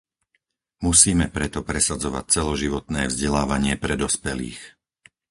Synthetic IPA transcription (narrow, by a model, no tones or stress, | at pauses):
musiːmɛpɾɛt̪ɔpɾɛsad͡zɔʋa̰c̚t͡sɛlɔʒiʋɔt̪nɛːvzɟɛlaːʋaɲɪɛpɾɛd̪ɔspɛlḭːx